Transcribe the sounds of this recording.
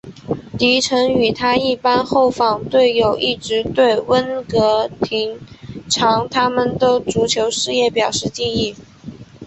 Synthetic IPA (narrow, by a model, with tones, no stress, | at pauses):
t̪i˧˥ʈ͡ʂʰɤ˧˥ŋy˨˩t̪ʰa˥i˥˩pa˥nxo˥˩ʊfɑ˨˩ŋt̪we˥˩ɪjo˨˩ʊʔi˥˩ʈ͡ʂɻ̩˧˥t̪we˥˩ɪwə˥nkɤ˧˥t̪ʰi˧˥ŋʈ͡ʂʰɑ˧˥ŋt̪ʰa˥mə˨nd̪ə˩ʈ͡ʂu˧˥t͡ɕʰjo˧˥ʊʂɻ̩˥˧jɛ˥˩pjɑ˨˩ʊʂɻ̩˥˧t͡ɕi˥˧ni˥˩